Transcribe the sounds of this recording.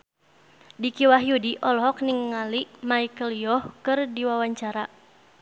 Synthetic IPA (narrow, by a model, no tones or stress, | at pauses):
dikiwaɦjudiʔɔlɦɔk̚nɪŋːaliʔmaikəljɔhkɨrdiwawaɲt͡ʃaɾa